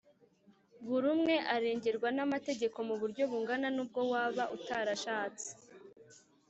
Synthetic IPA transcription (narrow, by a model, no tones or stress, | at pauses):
βuɾumŋe̞ʔaɾe̞ːɲɟe̞ɾɡwanamate̞ɟe̞ko̞muβuɾɟo̞βuŋɡananuːb̚ɡo̞waːβaʔutaɾaʃaːt͡si̥